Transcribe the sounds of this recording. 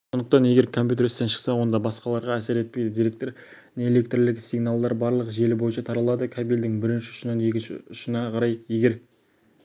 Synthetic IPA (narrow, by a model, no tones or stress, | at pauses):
ssond̪əq̚t̪ɑnje̞ɡʲe̞ɾkʰompʲjut̪e̞ɾɪst̪enʃə̥qsɑwo̞nd̪ɑbɑsqɑlˠɑɾʁɑæseɾe̞t̪̚pejd̪ɪd̪ijɾe̞k̚t̪e̞ɾ | neele̞k̚t̪rlɪksijɡnalˠd̪ɑɾbɑɾlˠəqʒe̞lɪbo̞jənʃɑt̪ʰɑɾɑlˠɑd̪əkʲʰabild̪ɪŋbɪɾɪnʃɪʊ̥ʃənəne̞kʲɪnʃɪ̰ʊʃənɑqʰɑɾɑjje̞ɡʲe̞ɾ